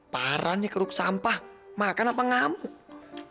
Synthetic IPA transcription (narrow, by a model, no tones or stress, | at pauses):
paɾanikəɾuk̚sampahmakanapaŋamʊk̚